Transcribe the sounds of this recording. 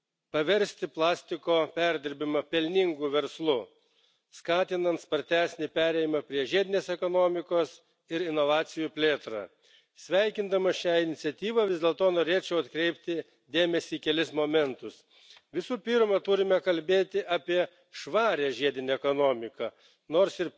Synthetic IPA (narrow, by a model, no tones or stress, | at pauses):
pɐʋʲɛɾʲsʲt̪ʲɪplˠɑːsʲt̪ʲɪkoːpʲæɾʲd̪ʲɪɾʲbʲɪmɐpʲɛlʲnʲɪŋɡuːʋʲɛɾslˠʊ | skɑːt̪ʲɪnɐnt̪spɐɾʲt̪ʲæːsʲnʲɪpʲæːɾʲɛɪɪmɐpʲɾʲiɛʒʲiɛd̪ʲɪnʲeːsɛkoːnoːmʲɪkoːs | ɪɾɪnoʋɑːt̪sʲɪjupʲlʲeːt̪ɾɑ̰ | sʲʋʲɛɪkʲɪnd̪ɐmɐʃʲæːɪnʲɪt̪sʲɛt̪ʲiːʋɐʋʲɪzd̪ʲeɛlˠt̪oːnoːɾʲeːt͡ʃʲɛʊɐt̪kɾʲɛɪpʲt̪ʲɪ | d̪ʲeːmʲɛsʲiːkʲɛlʲɪsmoːmʲɛnt̪ʊs | ʋʲɪsuːpʲiɾmɐt̪ʊɾʲɪmʲɛkɐlʲbʲeːt̪ʲɪʔɑːpʲiɛ | ʃʋɑːɾʲɛʒʲiɛd̪ʲɪnʲeɛkonoːmʲɪkɐ | noːɾsɪɾ